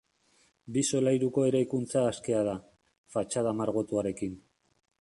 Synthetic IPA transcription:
biso̞lajɾuko̞e̞ɾajkunt͡saːske̞að̞a | fat͡ʃað̞amaɾɣ̞o̞t̪uaɾe̞kin

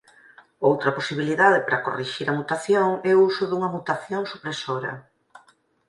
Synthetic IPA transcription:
owt̪ɾɐposiβ̞iliðaðɪpɾɐko̰riʃiɾɐmut̪aθjoŋɛousʊðuŋɐmut̪aθjoŋsupɾesoɾɐ̰

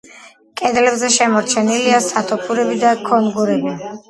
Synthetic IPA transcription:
kʼɛd̪lɛbzɛʃɛmɔɾt͡ʃʰɛniliasat̪ʰɔpʰuɾɛbid̪akʰɔnɡuɾɛbi

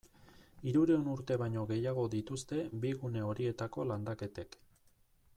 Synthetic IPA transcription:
iɾuɾeonuɾt̪e̞βaɲo̞ɣe̞jaɣ̞o̞ðit̪ust̪e̞biɣune̞o̞ɾie̞t̪ako̞land̪ake̞t̪e̞k

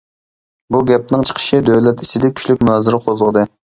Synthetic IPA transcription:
buɡʲɛp̚nɨŋt͡ʃʰqʰə̥ʃɨd̪øwlɛt̪ʰi̥sɪd̪ɛkʲʰy̥ʃʲlykʲmunɑːzɪɾɨqʰozəʁəd̪ɨ

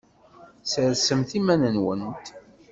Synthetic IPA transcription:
səɾsəmθimænənwənt̪

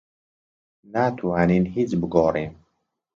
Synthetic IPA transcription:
nat̪ʰuaninhit͡ʃbəɡɔːɾem

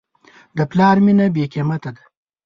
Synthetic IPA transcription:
d̪əplɑːɾminabekemat̪ad̪a

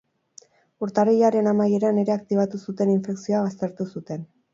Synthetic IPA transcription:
uɾt̪arijaɾe̞namaje̞ɾane̞ɾe̞akt̪iβ̞at̪usut̪e̞niɱfe̞ksio̞aβ̞ast̪e̞ɾt̪usut̪e̞n

